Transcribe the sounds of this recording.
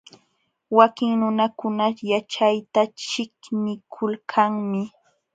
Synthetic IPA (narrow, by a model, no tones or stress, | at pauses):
wakɪŋnʊnakʊnajat͡ʃajt̪at͡ʃɪknɪkʰʊlkʰaŋmɪ